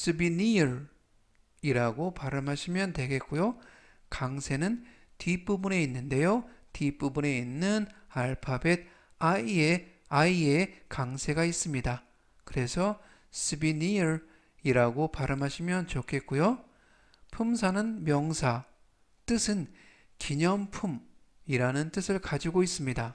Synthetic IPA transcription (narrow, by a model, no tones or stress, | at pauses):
s͈ʰɯbiniɯɾ | iɾaɡopaɾɯmɦaɕʰimjʌntwe̞ɡe̞t̚k͈ujo | kaŋsʰe̞nɯn | tip͈ubune̞inːɯnde̞jotip͈ubune̞inːɯnaɭpʰabed̚ | aie | aie̞kaŋsʰe̞ɡais͈ɯmɲida | kɯɾe̞sʰʌ | sʰɯbiniɾ | iɾaɡopaɾɯmɦaɕʰimjʌnt͡ɕokʰe̞t̚k͈ujo | pʰumsʰanɯnmjʌŋsʰa | t͈ɯsʰɯn | kiɲʌmpʰum | iɾanɯnt͈ɯsʰɯɭkad͡ʑiɡois͈ɯmɲida